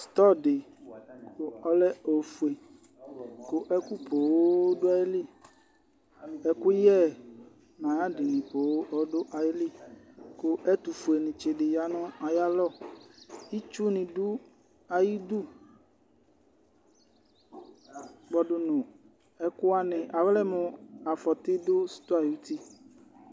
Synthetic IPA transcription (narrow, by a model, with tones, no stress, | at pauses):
st̪ɔ˦˨dɪ˨ko˨ɔ˦lɛ˦o˨fu˨e˨ | ko˨ʔɛ˦ku˦po˨wo˦dʊ˦a˨je˦li˦˨ | ɛ˦ku˦jɛ˦˨ | mã˨ja˦di˨nĩ˨po˨wo˦ʔɔ˦dʊ˦ʔa˨je˦li˦˨ | ko˦ʔɛ˦t̪u˨fu˨e˨nĩ˨t͡ʃe˨dɪ˨ja˦nʊ̃˦a˨ja˦lɔ˦ | i˦t͡ʃu˦nɪ̃˨dʊ˦ | a˨ji˦d̪u˦˨ | ɡ͡bɔ˨ɖʊ˨nʊ̃˨ | ɛ˦kʊ˦a˦nɪ̃˨ʔa˨wlɛ˦mʊ̃˨a˨fɔ˨t̪ɪ˦d̪ʊ˦st̪ʊ˦a˨ju˦t̪i˦